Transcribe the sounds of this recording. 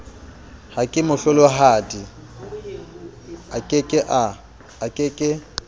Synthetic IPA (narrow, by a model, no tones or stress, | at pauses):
hakʼɪmʊɬɛlɔɦaːdi | akʼɪkʼɪʔa | akʼɪkʼɪ